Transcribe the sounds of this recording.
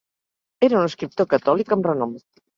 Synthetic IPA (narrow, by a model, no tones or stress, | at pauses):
ɛɾauneskɾip̚t̪okat̪ɔlikemrenɔm